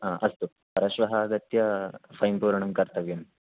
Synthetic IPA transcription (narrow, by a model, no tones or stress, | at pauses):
ɦaːʔɐst̪u | pɐɾɐʃʋɐɦɐːɡɐt̪jɐpʰɐjmpuːɾɐɳɐmkɐɾt̪ɐʋjɐm